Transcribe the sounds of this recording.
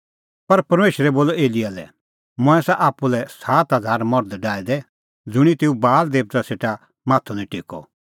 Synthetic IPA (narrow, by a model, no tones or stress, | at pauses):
pɐɾpɐɾmeːʃɾɛboːlɔeːliaːlɛ̰ | mʊ̃ɛ̃saʔaːpulɛsaːt̪ɦɐd͡zʱaːɾmɔɾd̪ɖaːid̪ɛ | d͡zʊɽ̃it̪eːubaːld̪eːp̚t̪aseːʈa | maːt̪ʰɔnɛ̃ʈɪkɔ̰